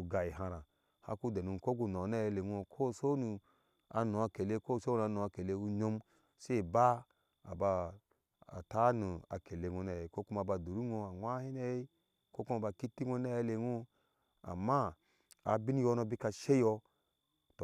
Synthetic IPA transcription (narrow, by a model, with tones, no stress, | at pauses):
u˨ɡa˨ji˨ɦã˧ɾa˨ | ha̰˦ku˦de˨nu˧˨ko˦ɡu˨˧˨no˨˦na˦je˧le˨ŋʷ˦o˧kʰo˦˨so˦nu˧ | a˨no˨a˧ke˨le˧ko˦˨so˦n˨a˧nu˨a˧ke˨le˧wu˧ɲo˧m | ʃe˦˨ba˦ | a̰˨ba˧ | a̰˨ta˦nu˨a̰˨ke˨le˧ŋʷo˧na˨je˨ko˦ku˦ma˧˨ba˧˨du˨ɾu˦ŋo˧a˨ŋʷa˦hi˦ne˧je˦ | ko˦ku˦ma˧ba˧ki˦ti˦ŋʷo˧˦na˦je˦le˧˦ŋo˦ | a̰˨mːa˦ | a˨bi˦ni˦jo˧˦no˧bi˦ka˧ʃe˦jɔ˧ | to˨